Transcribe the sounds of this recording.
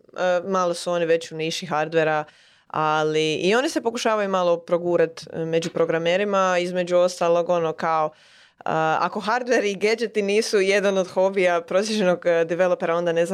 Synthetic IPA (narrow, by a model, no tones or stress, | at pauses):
əmaːlˠo̞suo̞ːniʋe̞t͡ɕuniːʃiɦaɾd̪ʋeɾa | aliːo̞nise̞po̞kuʃaːʋajumalˠo̞pɾo̞ɡuːɾat̪me̞d͡ʒupɾo̞ɡɾame̞ːɾimaizme̞d͡ʑuo̞st̪alˠo̞ɡo̞no̞kao̞ | əa̰ko̞xaɾd̪ʋeɾiiɡed͡ʒet̪iniːsuje̞d̪ano̞d̪xo̞bijapɾosiʒenoɡd̪iʋe̞lˠopeɾao̞nd̪ane̞z